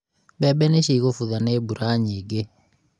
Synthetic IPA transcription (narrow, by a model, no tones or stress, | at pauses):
bɛbɛneʃiɣofuðanebuɾaɲiɡe